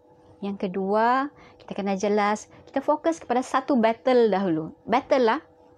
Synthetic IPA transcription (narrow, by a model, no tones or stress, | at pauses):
jaŋkəduaki̥t̪akənad͡ʒəlaski̥t̪afokəskə̥padasat̪ubɛt̪əldaɦulubɛt̪əlːah